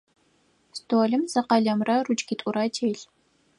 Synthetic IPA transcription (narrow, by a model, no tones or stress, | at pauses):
stʰoːɮɨmzɐqɐɮɐmrɐrut͡ʃʼɡitʼʊɾɐtʰeːɬ